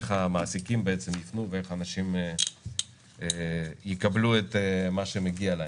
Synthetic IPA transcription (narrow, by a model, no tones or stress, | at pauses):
χamaːsikimbeet͡semjifnuveeχaːnaʃim | jikabluet̪emaʃemeɡialae